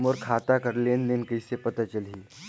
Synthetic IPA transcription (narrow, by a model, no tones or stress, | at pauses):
mɔːɾkʰaːt̪akəɾleːnnenkəisepət̪at͡ʃəlɦiː